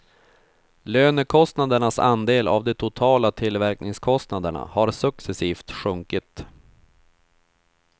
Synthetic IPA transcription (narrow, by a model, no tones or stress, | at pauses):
løːnəkʰɔst̪nad̪əɳasa̰nd̪eːla̰vd̪ɛt̪ʰʊt̪ʰɑːlat̪ʰɪlːvæɾknɪŋskʰɔst̪nad̪əɳa̰haɾsɵksɛsiːft̪ɧɵŋkɪt̪